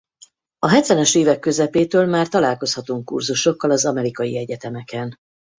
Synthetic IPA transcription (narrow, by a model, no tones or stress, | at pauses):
ɒɦɛt̪ʋɛnøʃeːvɛkːø̞zɛpeːt̪øːlmaːrt̪ɒlaːlko̞shɒt̪uŋkːṵrzuʃo̞kːɒlɒzɒmɛɾikɒjḭɛɟɛt̪ɛmɛkɛn